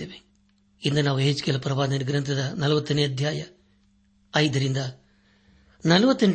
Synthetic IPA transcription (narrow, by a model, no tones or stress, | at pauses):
eʋe | ind̪ɐnaːʋueːd͡ʒkelɐpɾɐʋaːd̪ɐniɡɾɐnt̪ʰɐd̪ɐnɐlɐʋɐt̪ːɐniɐd̪ʱjaːjɐ | ɐjd̪ɐɾind̪ɐ | nɐlɐʋɐt̪ːɐn